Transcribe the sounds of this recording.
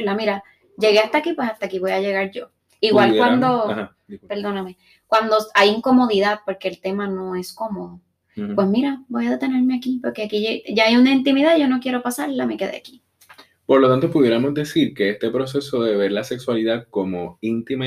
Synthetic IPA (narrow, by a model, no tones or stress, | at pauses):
lamiɾa | d͡ʒe̞ɣeast̪akipwe̞sast̪aːkiβo̞jaʝe̞ɣaɾɟ͡ʝo̞ | iɣwalwand̪oha | pe̞ɾðo̞name | kwand̪o̞ajiŋko̞mo̞ðiðaðpo̞ɾke̞ːlt̪e̞manõ̞e̞skomoðo | pwe̞smiɾabo̞jaðe̞t̪e̞ne̞ɾmeakipoɾkeakieɟ͡ʝaːjunaint̪imiðaðiʝo̞no̞kje̞ɾo̞pasaɾlame̞ke̞ðḛaki̥ | po̞ɾlot̪ant̪opuðje̞ɾamo̞zd̪e̞siɾkeest̪epɾo̞s̬e̞so̞ðe̞βe̞ɾlase̞kswaliðaðkomoint̪im